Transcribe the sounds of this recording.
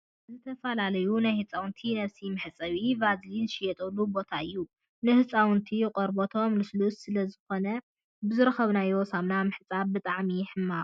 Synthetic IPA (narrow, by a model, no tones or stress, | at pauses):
zɨt̪ʰɐfɐlalɐjunajhɨt͡sʼawʊnt̪ʰinɐβsimɨħɨt͡sʼɐβivazlinʃɪjɛt̪ʼɐlːubo̞t̪ʰaɨjːu | nɨhɨt͡sʼawʊnt̪ʰiqʼɔɾbot̪ʰo̞mlɨslusːɨlɐzɨxo̞nɐ | bɨzɨɾɐxɐβnajwɔsamnamɨħɨt͡sʼabbɨt̪ʼaʕmiħɨmːa